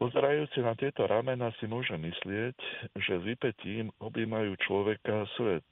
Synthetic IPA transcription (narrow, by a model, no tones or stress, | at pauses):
pɔzɛɾajuːt͡sinat̪ɪɛt̪ɔɾʔamɛnaːsimʊɔʒɛmːislɪɛcʒɛzipɛciːmɔbiːmajuːt͡ʃlɔʋɛkasʋɛt̪̚